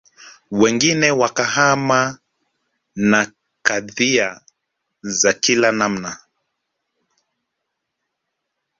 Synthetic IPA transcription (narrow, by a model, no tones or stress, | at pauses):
wɛŋɡinɛwakahama | na | kaðia | zakilanam̩na